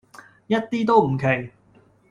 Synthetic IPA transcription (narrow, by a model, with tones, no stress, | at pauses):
jɐ˥t̚t̪iː˥t̪̬o˥wm̩˨˩kʰe˨˩j